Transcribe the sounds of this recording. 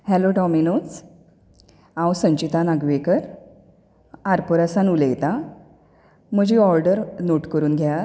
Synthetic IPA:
hɛloɖɔminos | ãwsə̃ɲt͡ɕit̪anaɡʋekəɾ | aɾpɔɾasanuləjt̪a | m̤əd͡ʑiɔɾɖəɾnoʈkəɾuːnɡʱja

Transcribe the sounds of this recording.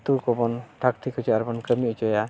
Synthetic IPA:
t̪ukɔbɔnʈʰakt̪ʰikʰɔt͡ʃaaɾbɔnkəmit͡ʃɔja

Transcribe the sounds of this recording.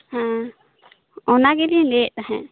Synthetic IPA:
hã | ɔnaɡɛlilɛːʔt̪aɦɛ̰̃

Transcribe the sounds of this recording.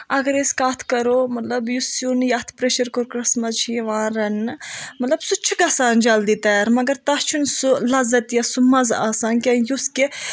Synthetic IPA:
ɐɡɐɾeskaːt̪ʰkɐɾoːmɐt̪lɐbjusjunjɐt̪ʰpɾeʃɐɾkoɾkɾɐsmɐt͡ʃʰiʋãːɾɐnmɐt̪lɐbsut͡ʃʰiɡɐsaːnd͡ʒɐld̪it̪aɾmɐɡɐɾt̪ɐst͡ʃʰunsulɐzɐt̪jɐsumɐzaːsaːnkʲɐjuske

